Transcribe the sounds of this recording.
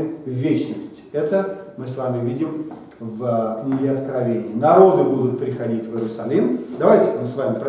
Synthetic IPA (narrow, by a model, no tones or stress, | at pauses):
vːʲet͡ɕnəsʲtʲɪ̥ɛt̪əmɨsvamʲɪvʲidʲɪm | vnʲɪɪɐt̪kɾɐvʲenʲɪːnɐɾo̞d̪ɨbud̪ʊt̪̚pɾʲɪxɐdʲitʲvɨɾʊsɐlʲimd̪ɐvajtʲɪ̥mɨsvamʲɪpɾ